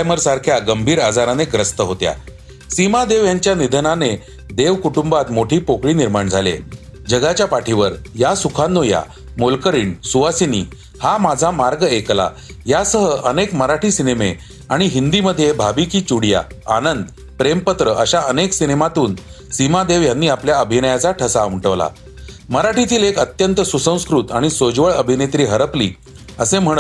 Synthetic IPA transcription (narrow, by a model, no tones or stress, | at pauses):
ajməɾsaɾkʰjaɡəmbʱiːɾad͡zaɾaneɡɾəst̪əɦot̪ja̰ | simad̪eʋjaɲt͡ɕjanid̪ʱənane | d̪eʋkuʈumbat̪moʈʰiːpokɭiːniɾmaɳd͡zʱalḛd͡ʑəɡat͡ɕjapaʈʰiʋəɾjasukʰanːoja̰ | molkəɾiːɳsuʋasiniː | hamad͡zʱamaɾɡekla̰ | jasəɦəʔənekməɾaʈʰiːsineme | aɽ̃iɦind̪iməd̪ʱːjebʱabikiːt͡ɕuɽja̰ | anənd̪ | pɾempət̪ɾəʔəɕaəneksinemat̪uːn | simad̪eʋjanːiːapljaəbʱinəjat͡saʈʰəsamʈəʋla̰ | məɾaʈʰit̪iːlekət̪jənt̪əsusə̃w̃skɾut̪aɽ̃isod͡ʑʋəɭəbʱinet̪ɾiːɦəɾəplḭː | əsẽm̤əɽ̃ə